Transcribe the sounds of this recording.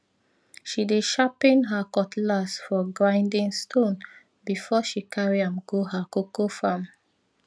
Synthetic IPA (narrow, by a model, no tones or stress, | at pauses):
ʃideʃapĩnɦakɔtlasfɔɡɹãɪ̃ndĩŋstʰõn | bifɔʃikʰaɹiãmɡoɦakokofãm